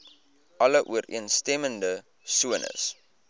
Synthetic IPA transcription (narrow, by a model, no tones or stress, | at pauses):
ɐləʔuərḭənstɛməndə | suənʔə̰s